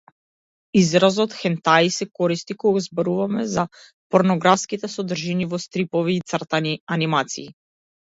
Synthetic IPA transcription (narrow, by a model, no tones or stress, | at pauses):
izɾazɔt̪xɛnt̪aisɛkɔɾist̪ikɔɡazbɔɾuvamɛza | pɔɾnɔɡɾafskit̪ɛsɔd̪r̩ʒinivɔst̪ɾipɔviːt̪srt̪anianimat̪sḭː